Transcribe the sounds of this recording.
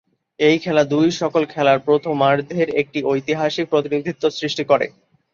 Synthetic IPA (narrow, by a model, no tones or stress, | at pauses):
ejkʰɛlad̪ujʃɔkolkʰɛlaɾpɾot̪ʰomːaɾd̪ʱeɾek̚ʈiojt̪iɦaʃik̚pɾot̪inid̪ʱit̪ːosɾiʃʈikoɾḛ